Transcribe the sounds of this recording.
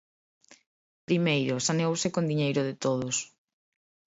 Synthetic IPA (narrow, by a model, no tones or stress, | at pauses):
pɾimejɾʊsaneowsɪkond̪iɲejɾʊðɪt̪oð̞ʊs